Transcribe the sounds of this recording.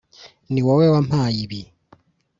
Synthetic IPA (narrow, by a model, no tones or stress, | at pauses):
niwɔwewam̥ajiβi